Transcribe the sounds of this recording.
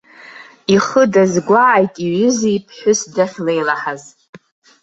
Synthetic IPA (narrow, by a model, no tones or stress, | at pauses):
iχədazɡʷaʕːjtʼiɥʷʏzijpʰħʷᶣʊsdaχʲlejlaħaz